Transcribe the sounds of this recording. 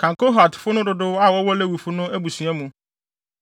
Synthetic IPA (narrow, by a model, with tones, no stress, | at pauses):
kʰã˨ŋko˦ɦa˨tfʊ˦nʊ̃˦dʊ˨dʊ˦a˦˨wɔ˦wɔ˦le˦wu˨fʊ˦nʊ̃˦æ˦bu˨sɥɛ˦mũ˨